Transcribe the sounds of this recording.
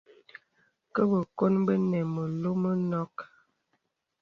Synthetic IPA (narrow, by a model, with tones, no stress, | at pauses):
kə˦bə˨ko˦nbə˦nɛ˨mə˨lo˦mə˦nɔ˦k